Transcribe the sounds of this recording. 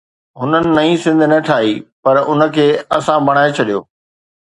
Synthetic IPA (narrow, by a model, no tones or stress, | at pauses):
ɦʊnənɪ̆nɐĩsɪ̃nd̪ʱnɐʈʰaːiːpɐɾʊnə̆kʰeːɐsãbɐɽ̃aːet͡ɕʰɐɗijo̰ː